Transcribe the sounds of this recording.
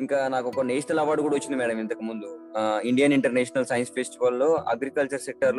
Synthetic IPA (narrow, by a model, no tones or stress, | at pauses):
iŋkaːnaːkɔkɐneːsʈɐlaːbaːɖukuːɽɐʋɐt͡ʃːind̪imɛːɽɐmint̪ɐkumund̪uiɳɖijɐniɳʈɐɾnɛːʂɐnɐlsɐjɐnspʰesʈiʋɐlːo̞ːɐ̰ɡɾikɐlt͡ʃɐɾsek̚ʈɐɾl